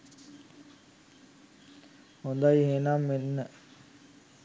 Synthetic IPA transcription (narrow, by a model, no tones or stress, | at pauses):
hond̪ajɦeːnamːenːə